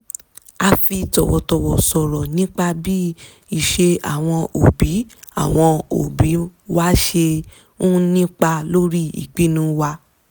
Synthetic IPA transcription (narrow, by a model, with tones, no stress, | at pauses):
a˧fi˧tɔ˨wɔ˧tɔ˧˨wɔ˨sɔ˨ɾɔ˨nĩ˦k͡pa˧bi˦ | i˨ʃe˧a̰˨w̃ɔ̃˧ʔo˨bi˨˦a̰˦˨w̃ɔ̃˧o̰˨bi˨˦wa˦ʃe˧ | ũ˦nĩ˦k͡pa˧lo˦ɾi˦ḭ˨k͡pi˦nũ˦wa˧